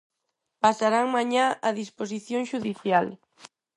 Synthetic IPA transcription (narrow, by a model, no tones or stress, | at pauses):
pasaɾaŋmaɲaaðisposiθjõŋʃuðiθjal